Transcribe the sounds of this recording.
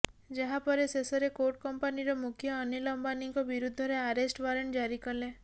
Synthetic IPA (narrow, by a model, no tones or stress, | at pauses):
d͡ʒaɦapɔɾesesɔɾekoɾʈkɔmpaniɾɔmukʰjɔːnelɔmbaniŋkɔbiɾud̪ʱːɔɾeaɾesʈʋaɾeɳʈd͡ʒaɾikɔle